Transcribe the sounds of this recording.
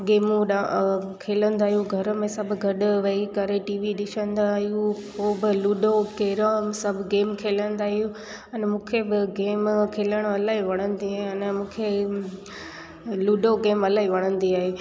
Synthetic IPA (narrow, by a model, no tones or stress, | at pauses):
ɡeːmũɗakʰeːlə̃nd̪aːɦijũɡʱɐɾ̆mẽsɐbʱɡʱɐɗʋɐikɐɾeʈiːʋiɗɪʃə̃nd̪aːɦijũpoːbɪluːɖokeːɾasɐbʱɡeːmkʰeːlə̃nd̪aːɦijũ | ɐnmũːkʰebɪɡeːmkʰeːləɽ̃ɐlaːɦiʋɐɽ̃ə̃nd̪iaːɦeɐnmũːkʰe | luːɖoɡeːmɐlaːɦiʋɐɽ̃ə̃nd̪iaːɦeː